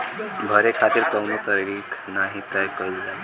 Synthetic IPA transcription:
bʱəɾekʰat̪iːɾt̪əwnət̪əɾɾiːkʰnaɦit̪əjkəud͡za

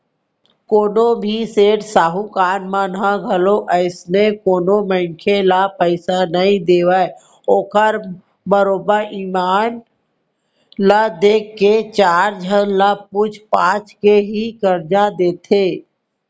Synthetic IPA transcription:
koːnobʱiseːʈsaːɦukaːnmanɦãɡʱəloʔəɪsnekoːnomə̃ŋkʰelapəɪsanəɦĩd̪eːwəe | oːkəɾ | bəɾoːbəɾiːmaːn | lad̪eːkːet͡ʃaːɾd͡ʒʱənlap̚ʊt͡ʃʰpãːt͡ʃkeɦikəɾd͡ʒad̪eːt̪ʰeː

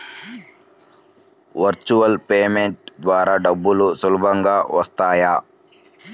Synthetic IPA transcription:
ʋɐɾt͡ʃuʋɐlpeːmeɳʈ̚d̪ʋaːɾaːɖɐbːulusulubʱɐŋɡaːʋɐst̪aːjaː

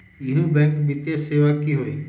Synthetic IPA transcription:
ɪɦũbɛ̃ːŋkbɪt̪eseːʋakiɦoiː

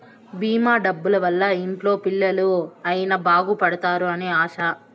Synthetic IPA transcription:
biːmaːɖɐbːulɐʋɐlːɐimplo̞ːpilːɐluɐjinɐbaːɡupɐɽɐt̪aːɾuɐneːaːʃɐ

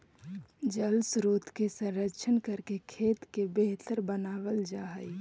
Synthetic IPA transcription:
d͡ʒəlsɾoːt̪kesə̃nɾəkʃʰənkəɾkekʰeːt̪kebeɦt̪əɾbənaːwəld͡ʒaːɦəi

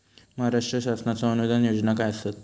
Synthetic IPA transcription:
məɦaɾaʂʈɾəɕasnat͡saənuʋed̪ʱanjod͡znakajəsat̪̚

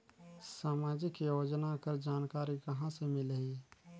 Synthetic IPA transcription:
saːmaːd͡ʒikijoːd͡ʒnakəɾd͡ʒaːnkaːɾikəɦãsemɪlɦĩ

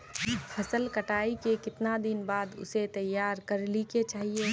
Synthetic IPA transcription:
pʰɐsəlkɐʈaːikekɪt̪nad̪ɪnbaːd̪ʊ̰set̪ɐjːaːɾkɐɾliket͡ʃaːɦie

